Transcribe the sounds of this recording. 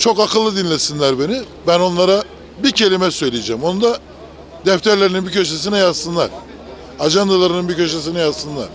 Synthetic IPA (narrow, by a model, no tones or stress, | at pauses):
t͡ʃʰo̞kakʰɯlˠːɯd̪inlʲesinlʲæɾbe̞ni | bæno̞nlˠaɾa | bicʰe̞lʲimɛsø̞jlʲijed͡ʒɛːmo̞nud̪a | d̪ɛft̪ʰæɾlʲeɾininbicʰøʃes̬inɛjazsɯnlˠa̰ɾ̥ | ad͡ʒand̪alˠaɾɯnɯnbicøʃ̬es̬inɛjazsɯnlˠa̰ɾ̥